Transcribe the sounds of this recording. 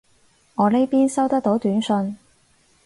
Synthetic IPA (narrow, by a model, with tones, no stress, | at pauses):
ŋɔː˨˧nle˥jpiː˥nsɐ˥wt̪ɐ˥k̚t̪o˨˥wt̪yː˨˥nsɵ˧n